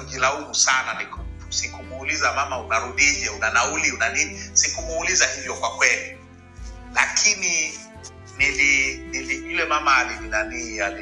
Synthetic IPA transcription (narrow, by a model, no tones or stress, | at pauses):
d͡ʒilaumusananikutu̥sikumuːlizamamaunaɾuɗiʄɛunanauliunaninisikumuːlizahivjɔkwakwɛli | lakʰini | niliniliulɛmamalininaniːjali